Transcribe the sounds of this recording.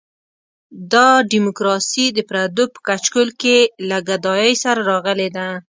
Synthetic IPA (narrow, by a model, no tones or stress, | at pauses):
d̪ɑɖimʊkɾɑsid̪əpɾad̪opə̥kat͡ʃkʊlkelaɡad̪ɑjəjsaɾaɾɑɣəled̪a